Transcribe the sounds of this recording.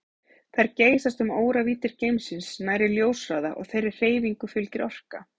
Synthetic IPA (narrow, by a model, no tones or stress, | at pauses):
θajɾceːjsast̪ʏmoːwɾaviːt̪ɪɾ̥cejmsɪnsnaːjɾɪljoːwsraːða̰ʔɔ̰ɣθejɾɪr̥r̥eːjviŋkʏfʏlcɪɾɔr̥ka